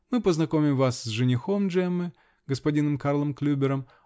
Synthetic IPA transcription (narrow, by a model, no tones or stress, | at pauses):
mɨpəznɐkomʲɪmvasːʐɨnʲɪxomʐɛmːɨ | ɡəspɐdʲinɨmkarlˠəmklʲubʲɪɾəm